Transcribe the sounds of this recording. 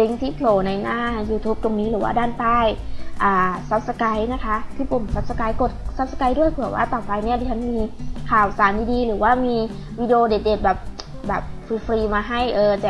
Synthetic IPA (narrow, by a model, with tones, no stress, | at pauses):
li˧˦ŋt̪ʰiː˧˥˩pʰloː˨˩na˧jnaː˧˥˩juː˧t̪ʰuː˦˥p̚t̪o˧ŋniː˦˥lɯː˩˦waː˧˥˩daː˥˩nt̪aː˥˩jʔaː˨˩sa˧˦˥p̚sa˧ka˨˦jna˦˥˩kʰa˦˥t̪ʰiː˥˩po˨˩msa˧˦˥p̚sa˧ka˧˦jko˨˩t̪̚sa˧˦˥p̚sa˧ka˧˦jdu˥˩əjpʰɯː˨˩˦wa̰ː˧˥˩t̪ɔː˨˩pa˧jniː˥˩˨dʰi˧˩a˦˥nmiː˧kʰaː˨˩wsaː˨˩˦ndiː˧diː˧lɯː˨˩˦waː˧˥˩miː˧ | wiː˧˥di˧ʔoː˧de˨˩t̪̚deː˨˩t̪̚bɛː˨˩p̚ | bɛː˨˩p̚fiː˧fɾiː˧maː˧ɦa˥˩jʔɤː˧t͡ɕɛː˨˩